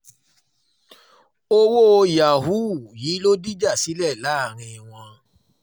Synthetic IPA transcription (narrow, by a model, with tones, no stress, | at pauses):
o˧wo˦˧ja˨ɦu˦˨jiː˨˦lo˦di˦d͡ʒa˦˨si˨˦lɛ˦˨la˨˦a˦˨ɾ̃ĩ˧w̃ɔ̃˧